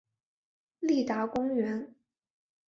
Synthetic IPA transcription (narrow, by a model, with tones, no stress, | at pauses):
li˥˩t̪a˧˥kʊ˥ŋɥɛ˧˥n